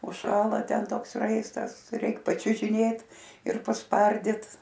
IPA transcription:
ʊʃˈʃɑːlˠɐ ˈtʲɛn ˈtoːks ˈrɐɪstɐs ˈtɐɪ ˈrʲɛɪk pɐt͡ʃʲʊʒʲɪˈnʲeːt ɪr pɐsˈpɐrʲdʲɪt

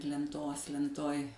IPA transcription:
lʲɛnˈtoːs lʲɛnˈtoːj

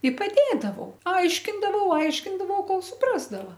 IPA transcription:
ɪ pɐˈdʲeːdɐʋɐʊ ˈɐɪʃʲkʲɪndɐʋɐʊ ˈɐɪʃʲkʲɪndɐʋɐʊ ˈkoːlˠ ˈsʊprɐzdɐʋɐ

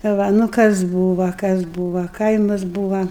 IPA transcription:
ˈʋɐ nʊ ˈkɐs ˈbuːʋɐ kɐs ˈbuːʋɐ ˈkɐɪmɐs ˈbuːʋɐ

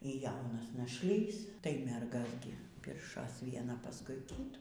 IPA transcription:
iː ˈjɛʊnɐs nɐʃʲˈlʲiːs tɐɪ ˈmʲɛrɡɐs ˈɡʲɪ ˈpʲɪrʃoːs ʋʲiɛˈnɐ ˈpɑːskʊɪ ˈkʲiːtuː

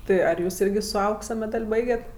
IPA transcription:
ˈtɜ ɐr ˈjuːs ˈɪrʲɡʲɪ sʊ ˈɐʊksɐ mʲɛˈdɐlʲ ˈbɐɪɡʲɛtʲ

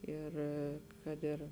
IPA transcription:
ˈɪr ˈkɐt ɪr

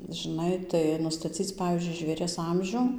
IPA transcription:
ʒʲɪˈnɐɪ tɐɪ nʊstɐˈt͡sʲiːt͡s ˈpɑːʋʲiːzʲd͡ʒʲʊɪ ʒʲʋʲeːˈrʲiɛs ˈɐmʲʒʲʊ

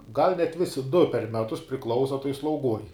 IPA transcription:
ɡɐlʲ nʲɛt ˈʋʲɪsʲɪ dʊ pʲɛr ˈmʲæːtʊs pʲrʲɪˈklˠɐʊsɐ tuɔj slˠɐʊˈɡuɔj

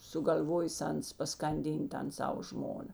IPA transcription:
sʊɡɐlʲˈʋoːjeːs ˈɐns pɐskɐnʲˈdʲiːnʲtʲ ˈtɐn ˈsɑːʋoː ˈʒmoːnɐ

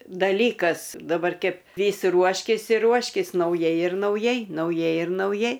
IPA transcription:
dɐˈlʲiːkɐs dɐˈbɐr ˈkʲɛp ˈʋʲiːs ˈruɔʃʲkʲɪs ɪr ˈruɔʃʲkʲɪs nɐʊˈjɛɪ ɪr nɐʊˈjɛɪ nɐʊˈjɛɪ ɪr nɐʊˈjɛɪ

